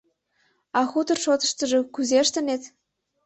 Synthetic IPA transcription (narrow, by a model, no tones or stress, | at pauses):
ɑxut̪ə̆rʃot̪ə̥̆ʃt̪ə̆ʒĕkyzeʃt̪ə̆net̪